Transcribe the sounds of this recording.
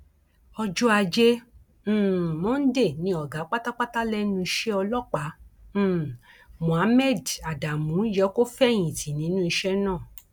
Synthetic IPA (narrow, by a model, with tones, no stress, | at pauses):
ɔ˧d͡ʒɔ˦a˧d͡ʒẽ˦˨ | mɔ̃˦n̩˦de˦˨nĩ˨˦ɔ˨ɡa˨˦k͡pa˦ta˦k͡pa˦ta˦lɛ˦nũ˧i˧ʃe˦ɔ˧lɔ˦˨k͡pã˨˦˨ | mũ˨a˨˦mɛ˦˨da˨da˨mũ˨˦jɛ˨˦ko˦fɛ˦˨j̃ĩ˨ti˨nĩ˨˦nũ˦i˧ʃɛ˦nãː˦˨